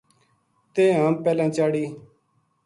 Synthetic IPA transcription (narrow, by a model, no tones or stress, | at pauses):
t̪ẽːɦãːmpɛːlãːt͡ʃaːɽiː